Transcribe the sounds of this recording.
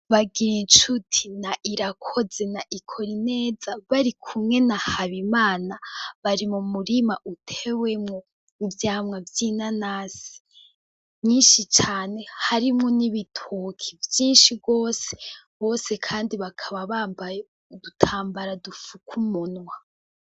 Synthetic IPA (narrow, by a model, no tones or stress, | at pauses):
βaɡiɾint͡ʃutʰinaʔiɾakʰo̞ze̞naʔikʰo̞ɾine̞ːzaβaɾikʰumŋe̞nahaβimaːnaβaɾimumuɾimaʔutʰewe̞mŋo | ivjaːmŋavjinanaːz̥i̥ | ɲiːnʃit͡ʃaːne̞haɾimŋoniβitʰokʰivjiːnʃiɡo̞ːse | βo̞ːse̞kʰaːndiβakʰaβaβaːbaj | dutʰaːmbaɾadufukʰumonwa